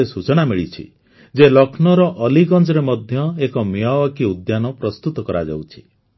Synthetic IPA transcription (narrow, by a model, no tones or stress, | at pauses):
esut͡ʃɔnamiɭit͡ʃʰḭ | d͡ʒelɔkʰnɔɾɔʔɔliɡɔnd͡ʒɔɾemɔd̪ʱjɔekɔmjɔwɔkiud̪janɔpɾɔst̪ut̪ɔkɔɾa̰d͡ʒa̰wt͡ʃʰi̥